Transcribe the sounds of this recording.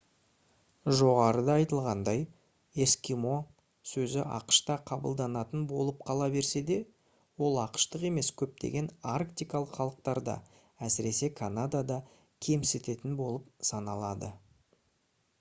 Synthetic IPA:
ʒo̞ʁɑɾəd̪ɑɑjt̪əlˠʁɑnd̪ɑj | e̞skʲimo̞ | sɵzɪʔɑ̰qə̥ʃt̪ɑqʰɑbə̰lˠd̪ɑnɑt̪ənbo̞lˠəp̚qʰɑlˠɑbe̞ɾse̞d̪e̞ | wo̞lˠɑqə̥ʃt̪əqe̞me̞skʲʰɵp̚t̪e̞̰ɡʲe̞narkt̪ijkɑlˠəqχɑlˠəq̚t̪ɑɾd̪ɑ̰ | æsɪɾe̞se̞kʰanad̪ad̪ɑ | kʲʰe̞mset̪e̞t̪ɪnbo̞lˠəp̚sɑnɑlˠɑd̪ə̰

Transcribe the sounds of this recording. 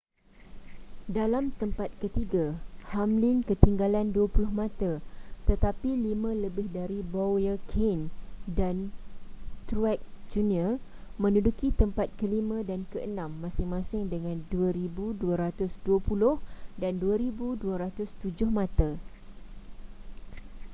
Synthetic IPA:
dalamt̪əmpat̪̚kət̪iɡahamlɪnkət̪iŋɡalanduapulʊhmãt̪at̪ət̪apilimə̃ləbɪhdaɾiboəkʰendan | t̪ɾuɛk̚d͡ʒuniərmə̃nudukit̪əmpat̪̚kəlimə̃dankəʔənãmːãsɪŋmãsɪŋdəŋãnduaɾibuduaɾat̪ʊsduapulʊhdanduaɾibuduaɾat̪ʊst̪ud͡ʒʊhmãt̪a

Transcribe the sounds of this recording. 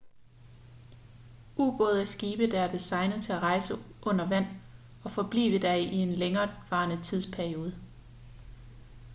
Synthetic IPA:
ʔuːɡ̥ɔ̰̽ːð̞̩ˠæsɡ̥iːb̥əd̥ɑæɐd̥isɑ̈ɪnəð̩ˠt͡sʰe̝æʁɑ̈ɪsəʔɔ̽n̰ɐʋæn̰ | ɒ̽fɒ̽b̥lḭːʋəd̥æʔie̝nleŋɐːʋɑ̈ːnət͡sʰið̞̰ˠspʰæɐio̝ːð̞ˠə

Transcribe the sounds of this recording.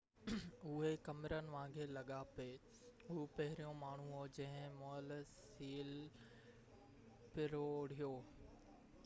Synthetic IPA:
ʊɦekɐmɪɾənɪ̆ʋãːɡʰeːlɐɠape | ɦupɐɦɪɾijõmaːɳ̤ũɦod͡ʑɐ̃ɦɪ̃moəls | iːl | pɪɾoɽ̤ijoː

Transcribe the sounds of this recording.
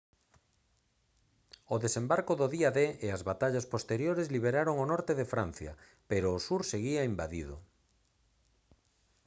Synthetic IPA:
oðesembaɾkoðoðiaðeeazβat̪aʎaspost̪eɾjoɾezliβ̞eɾaɾoŋonɔɾt̪eðefɾan̟θja̰ | peɾoːsuɾseɣiaimbaðiðʊ̰

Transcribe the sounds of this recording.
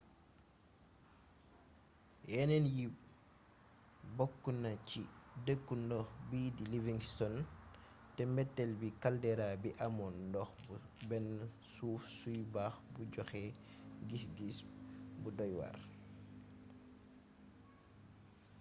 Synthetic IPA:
ʔɛnɛnji | bokːunacidəkːundɔxbidiliviŋstɔn | tɛmbɛtːɛlbikaldɛɾabiʔamɔndɔxbɛn | suːfsujbaxbuɟɔxɛ | ɡisɡisbudɔjwa̰ɾ

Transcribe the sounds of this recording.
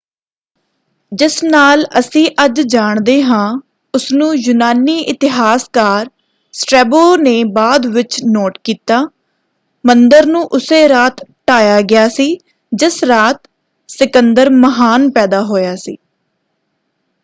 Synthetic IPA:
d͡ʒɪsnaːləsĩːʔəd͡ʒd͡ʒaːɳd̪eːɦãː | ʊsnũːjʊnaːniːʔɪt̪ɪɦaːskaːɾ | sʈɾɛːboːneːbaːd̪ʋɪt͡ʃnoːʈkiːt̪aː | mənd̪əɾnũːʔʊseːɾaːt̪ʈaːjaːɡɪjaːsiː | d͡ʒɪsɾaːt̪ | sɪkənd̪əɾməɦaːnpɛːd̪aːɦoːjaːsḭː

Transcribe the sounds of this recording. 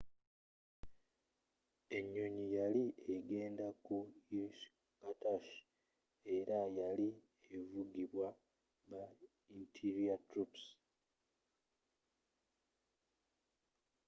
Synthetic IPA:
e̞ɲːoɲijalieɡe̞ːndakuiʃ | kataʃ | e̞ɾajali | evuɡiβwa | βa | intʰiɾiatɾups

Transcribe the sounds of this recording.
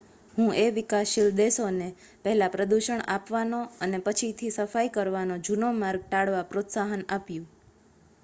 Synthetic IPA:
ɦũʔeʋikaʃild̪esone | pəɦɛlapɾəd̪uʃəɳapʋanoənepət͡ʃʰit̪ʰisəfajkəɾʋanod͡ʒunomaɾɡ̚ʈaɽʋapɾot̪saɦənapjũ

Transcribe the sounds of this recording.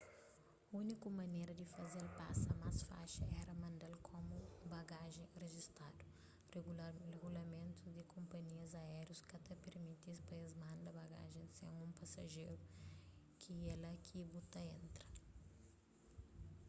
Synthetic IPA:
unikʊmɐnejɾɐd̪ɪfɐzelpa̰sɐmasfa̰ʃɐɛɾɐmɐ̃nd̪alkʰomʊbaɡaʒẽj̃reʒist̪ad̪ʊ | reɡulɐmẽnt̪ʊd̪ɪkõmpɐɲiɐzaɛɾjuskɐt̪ɐpeɾmit̪ispɐezmãnd̪ɐbaɡa̰ʒẽj̃sḛ̃ŋũmpɐsɐʒejɾʊ | kʰielɐkʰibut̪ɐẽnt̪ɾɐ

